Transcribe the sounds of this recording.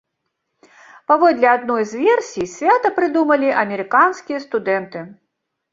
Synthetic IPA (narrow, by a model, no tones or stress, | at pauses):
pavɔd̪ʲlʲɛad̪̚nɔjzvʲɛrsʲijsʲvʲat̪ɐpɾɨd̪umɐlʲiʔɐmʲɛɾɨkanskʲijɐst̪ud̪ɛnt̪ɨ